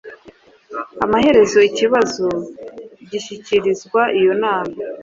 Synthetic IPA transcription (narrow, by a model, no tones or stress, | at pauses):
amahe̞ɾe̞zo̞iciβazo | ɟiʃiciɾizɡwaʔijo̞naːma